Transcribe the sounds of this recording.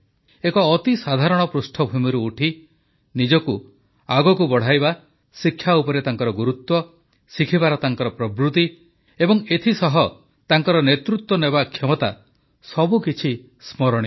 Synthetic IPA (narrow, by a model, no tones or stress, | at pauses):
ekɔːt̪isad̪ʱaɾɔɽ̃ɔpɾusʈʰɔbʱumiɾuːʈʰi | nid͡ʒɔku | aɡɔkubɔɽ̤ajba | sikʰːjaupɔɾet̪aŋkɔɾɔɡuɾut̪wɔ | sikʰibaɾɔt̪aŋkɔɾɔpɾɔbɾut̪i | ebɔŋet̪ʰisɔɦɔ | t̪aŋkɔɾɔnet̪ɾut̪wɔnebakʰemɔt̪a̰ | sɔbukit͡ʃʰi | smɔɾɔɽ̃i